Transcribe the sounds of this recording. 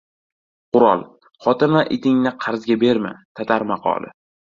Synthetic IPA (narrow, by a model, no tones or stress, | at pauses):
qʊɾɒ̰lˠ | χɒt̪ʰɪnaʔɪt̪ʰɪŋnɪqʰɑɾzɡʲabe̞ɾmɪ̰t̪ʰat̪ʰaɾmɑqʰɒ̰lˠɪ̰